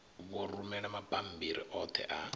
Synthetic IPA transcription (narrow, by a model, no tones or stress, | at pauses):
βɔɾumɛɺamapʼambiɾḭʔɔt̪ʰɛ̰ʔa